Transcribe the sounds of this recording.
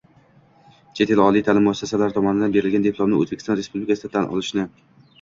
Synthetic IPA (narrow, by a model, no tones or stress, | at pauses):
t͡ʃʰe̞t̪ʰelɒlˠijt̪ʰalɪmːʊasːasalaɾɪt̪ʰɒmɒnɪd̪anbe̞ɾɪlɡʲand̪epʰlˠomnɪʔo̰zbekʲʰst̪ɒnɾe̞spublɪkʰʲasɪt̪ʰanʔɒ̰lˠɪʃnɪ